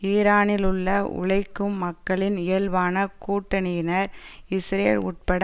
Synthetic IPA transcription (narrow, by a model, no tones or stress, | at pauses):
iːɾaːnɪlʊɭːɐʊ̰ɭɐɪkːɯmːɐkːɐɭɪnɪɐlʋaːnɐkuːʈːɐnɪjɪnɐɾɪsɾɐlʊ̰ʈ̚pɐɽ